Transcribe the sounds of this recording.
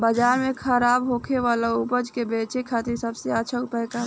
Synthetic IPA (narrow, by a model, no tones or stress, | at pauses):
bəd͡ʒaːɾmekʰəɾaːbɦokʰeʋalaupəd͡ʒkebeːt͡ʃekʰat̪iɾsəbseəːʃʰəupəɦka